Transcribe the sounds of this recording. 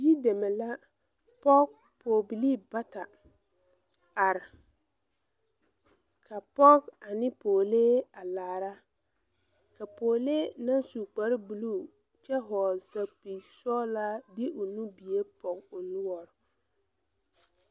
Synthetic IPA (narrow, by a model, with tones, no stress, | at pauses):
ji˦de˨me˨la˦ | pɔ˦k̚ | pʰo˨bi˨li˦˨ba˦ta˨ | a˨ɾɪ˨ | kʰa˨pɔ˦ka˨nɪ˦poː˨leː˦a˨laː˨ɾa˦ | ka˨poː˨leː˦na˦nsu˨k͡pa˨ɾɪ˦bu˨lu˦˨ | t͡ʃɛ˦ɦɔ˨sa˨pi˨sɔ˦la˦dɪ˦ʔʊ˨nu˦bi˨je˦pɔ˨ɡʊ˨nʊ˦wɔ˨ɾ